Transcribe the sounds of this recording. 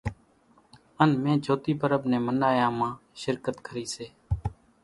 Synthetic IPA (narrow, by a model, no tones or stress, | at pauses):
ənmẽːd͡ʒʱoːt̪iːpəɾəbnẽːmənaːjãːmãːʃɪɾkət̪kʰəɾiːseː